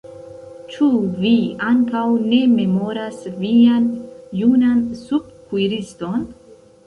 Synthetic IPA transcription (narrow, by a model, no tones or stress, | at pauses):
t͡ʃuviaŋkawne̞me̞mo̞ɾasvianjunansub̚kujɾisto̞n